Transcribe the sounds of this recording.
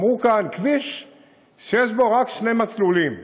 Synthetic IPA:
mʁukankviʃ | ʃeʃ̬boʁakʃnejmat͡slulim

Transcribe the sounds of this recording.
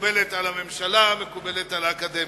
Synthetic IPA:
belet̪alame̞mʃalamekubelet̪alaːkad̪e

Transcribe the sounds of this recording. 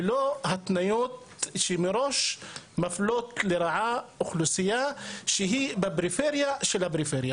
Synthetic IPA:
loɦat̪ːnajut̪ | ʃimiɾoʃmæfloːt̪liɾˤɑʕaʊxlusɪjːaʃiɦibæbɾifeɾjaʃilæbɾifeɾja

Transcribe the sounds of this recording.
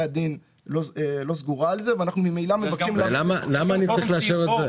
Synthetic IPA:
ad̪in | loelo̞zɡuʁaːlzeveanaχnumimejlamevakʃimlalamalamaːnit͡saʁiχleaʃeveze

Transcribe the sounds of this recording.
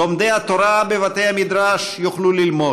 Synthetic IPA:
omd̪ejhat̪oɾabevat̪ejhamid̪ɾaʃjuχlulilmo

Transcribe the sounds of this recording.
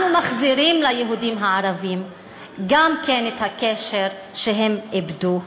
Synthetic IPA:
numaχziʁimlajeɦudimɦaaʁavim | ɡamkenet̪hakeʃeʁ | ʃeɦemibdu

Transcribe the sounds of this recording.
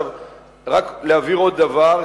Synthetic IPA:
ʁaklaviʁod̪avaʁ

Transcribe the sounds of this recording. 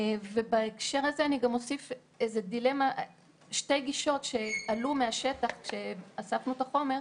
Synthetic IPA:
ve̞baekʃe̞ʁazeaniɡamo̞sif | ezedile̞ma | ʃte̞jɡiʃo̞tʃe̞alumeaʃe̞taχʃe̞asafnut̪aχo̞me̞ʁ

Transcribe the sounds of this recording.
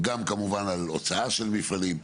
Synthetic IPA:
ɡamkamuvanalot͡saaʃelmifalim

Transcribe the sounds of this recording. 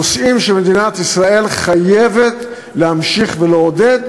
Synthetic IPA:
osʔimʃeme̞d̪inat̪isʁae̞lχajevet̪ | lehamʃiχveleod̪ed

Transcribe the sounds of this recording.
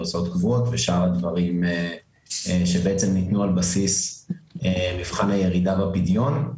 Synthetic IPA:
so̞t̪kvuot̪veʃaʁad̪vaʁime | ʃebeet͡se̞mnit̪nualbasis | emivχanhaje̞ʁidavapidjo̞n

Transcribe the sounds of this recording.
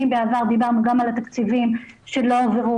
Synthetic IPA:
imbeavaʁd̪ibaʁnuɡamalat̪akt͡sivimʃe̞lo̞oveʁu

